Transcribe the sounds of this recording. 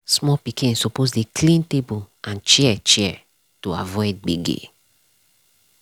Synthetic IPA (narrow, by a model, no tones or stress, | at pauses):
smɔpikĩsɔpozdekʰlĩntebu | ãnt͡ʃɛɛt͡ʃɛɛ | toavɔɪd̚ɡ͡biɡḛ